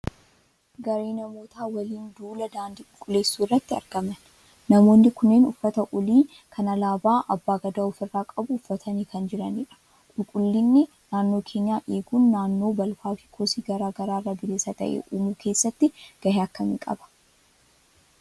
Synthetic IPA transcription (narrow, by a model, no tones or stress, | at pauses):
ɡɐɾeːnɐmo̞ːt̪aːwɐliːnd̪uːlɐd̪aːnd̪ɪkʼʊkʼːʊle̞ːsːuːɪrːɐt̪ːɪɐ̰ɾɡ̥ɐmɐn | nɐmo̞ːnːɪkʊnːeːnʊfːɐt̪ɐʔɔliː | kʰɐnɐlaːbaːʔɐbːaːɡɐd̪aːʊfɪrːaːkʼɐbʊʊfːɐt̪ʰɐniːkɐnd͡ʒɪɾɐniːᶑɐ̥ | kʼʊlkʼʊlːɪnːɛ | naːnːo̞ːkʰe̞ːɲːjaːʔe̞ːɡuːnːaːnːo̞ːbɐlfaːfɪ̥kʰoːsiːɡɐɾaːɡɐɾaːrːɐbɪleːsɐt̪ɐ̰ʔḛʔuːmuːkʰe̞ːsːɐt̪ːɪɡ̥ɐheɐkːɐmɪkʼɐ̰bɐ̥